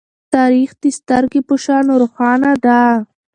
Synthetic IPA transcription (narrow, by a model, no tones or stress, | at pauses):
t̪ɑɾixd̪ist̪aɾɡipʊʃɑːnoɾoxɑːnad̪a